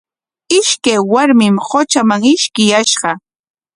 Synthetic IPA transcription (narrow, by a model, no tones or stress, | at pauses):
ɪʃkajwaɾmɪmhot͡ʃamaŋɪʃkɪjaʃɢɑ